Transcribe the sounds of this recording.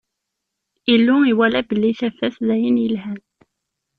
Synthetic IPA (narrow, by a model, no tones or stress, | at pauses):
ilːʊiwælæbəlːiθæfæθðæjənjəlɦæð